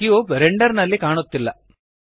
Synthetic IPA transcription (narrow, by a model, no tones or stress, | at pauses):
ioːpɾeɳɖɐɾnɐlːikaːɳut̪ːilːɐ